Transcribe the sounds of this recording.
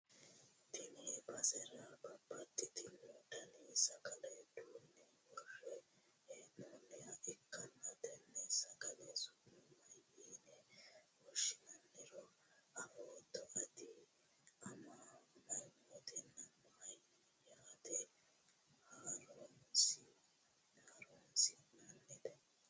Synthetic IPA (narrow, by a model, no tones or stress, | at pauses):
t̪ɪnɛbɐsɛɾɐbɐbːɐt̪ːɪt̪ɪnod̪ɐnisɐkɐlɛd̪uːnːɛ | wɔrːɛ | noːnːɛjɐʔɪkːɐnːɐt̪ɛnːɛsɐkɐlɛsʊnɛmɐjiːnɛwɔʃɪnɐnːɛɾɔ | ɐɾoːt̪ɔʔɐd̪ɪ | ɐmamɐɾmɔt̪ɛnːɐmaːj | jaːt̪ɛ | haːɾonsi | haːɾonsɪnɐnːɛt̪ɛ